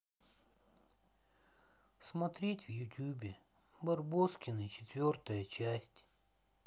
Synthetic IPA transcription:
smɐt̪ɾʲetʲvjʊtʲjubʲɪ | bɐrboskʲɪnɨt͡ɕɪ̥t̪vʲo̞rt̪əjət͡ɕæsʲtʲ

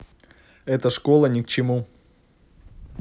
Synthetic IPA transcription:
ɛt̪əʂkolˠənʲɪkt͡ɕɪmu

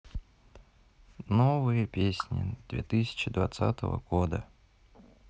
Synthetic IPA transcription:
novɨjəpʲesʲnʲɪ̰d̪vʲet̪ɨsʲɪ̥t͡ɕɪd̪vat̪sa̰t̪əvə̰ɡ̥od̪ə

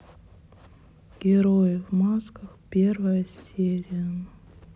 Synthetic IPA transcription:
ɡ̥ʲɪɾojɪvmaskəxpʲe̞rvəjəsʲeɾʲɪjə

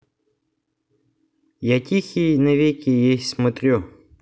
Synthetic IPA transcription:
jatʲixʲineʋʲikʲijixsmɔt̪ɾʲu

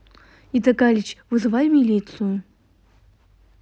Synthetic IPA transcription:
it̪ɐkalʲit͡ɕvɨzɨvajmʲilʲit̪sɨjʊ

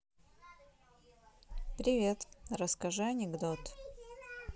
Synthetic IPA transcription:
pɾʲɪvʲe̞t̪rəskɐʐɨɐnʲɪɡd̪ot̪

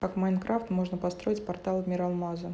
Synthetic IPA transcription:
kakmajnkɾaft̪mo̞ʐnəpɐst̪ɾo̞ɪtʲpɐrt̪alˠmʲɪɾɐlˠmazə

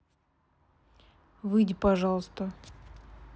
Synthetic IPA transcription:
vɨdʲɪpɐʐɑlˠst̪ə

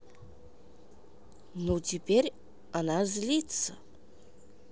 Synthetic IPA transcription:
not̪ibeɾ | anazlit̪t͡sə

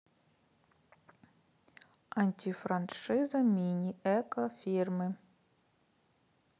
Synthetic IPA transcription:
anʲtʲifɾanʂɨzɐmʲinʲiʔɛkofʲirmɨ

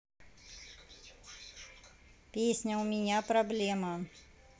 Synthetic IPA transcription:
pʲesʲnʲɐʊmʲɪnʲapɾɐblʲemɐ

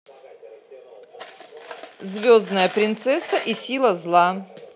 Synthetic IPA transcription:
zvʲoznəjəpɾʲɪnt̪sɛsəʔisʲilˠəzlˠa

